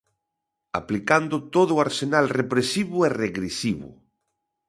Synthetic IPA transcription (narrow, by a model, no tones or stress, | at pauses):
a̰plikand̪ʊt̪oðʊaɾsenalrepɾesiβʊɛreɣɾesiβʊ̰